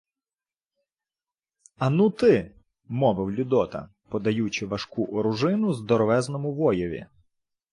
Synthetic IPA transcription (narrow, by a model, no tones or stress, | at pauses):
ɐnut̪ɪ | mɔʋɪwlʲʊd̪ɔt̪ɐ̰ | pɔd̪ɐjut͡ʃɪʋɐʃkuʔɔɾʊʒɪnʊzd̪ɔɾɔʋɛznɔmʊʋɔjɔʋʲḭ